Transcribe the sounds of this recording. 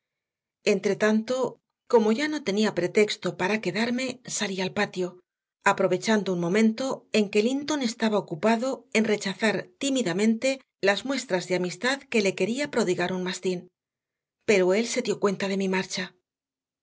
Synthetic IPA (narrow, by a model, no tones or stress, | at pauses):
e̞nt̪ɾe̞t̪ant̪o̞ | ko̞mo̞ʝano̞t̪e̞niapɾe̞t̪e̞kst̪o̞paɾake̞ðaɾme̞salialpat̪jo̞ | apɾo̞βe̞t͡ʃand̪ounmõ̞mẽ̞nt̪o̞e̞ŋke̞lint̪o̞ne̞st̪aβaokupaðo̞e̞nre̞t͡ʃaθaɾt̪imiðamẽ̞nt̪e̞ | lazmwe̞st̪ɾazðeamist̪aðke̞le̞ke̞ɾiapɾo̞ðiɣaɾunmast̪in | pe̞ɾoe̞lse̞ðjo̞kwe̞nt̪að̞e̞mimaɾt͡ʃa